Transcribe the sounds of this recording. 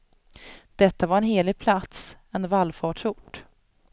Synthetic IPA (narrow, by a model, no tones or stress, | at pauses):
d̪̥ɛt̪ːavaɾɛnɦeːlɪɡ̚pʰlat̪sɛnvalːfɑːʈʂʊʈː